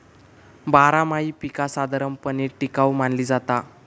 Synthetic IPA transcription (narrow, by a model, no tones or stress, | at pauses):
baɾamaiːpikasad̪aɾəmpəniɾʈikawmanliːd͡zat̪a